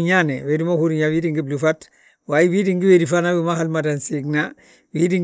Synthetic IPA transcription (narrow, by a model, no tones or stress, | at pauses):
ɲanewedimahuɾuɲawidiŋɡiblufat | wajibidiŋɡiwedifanabimahalmadansiɡna | widiŋ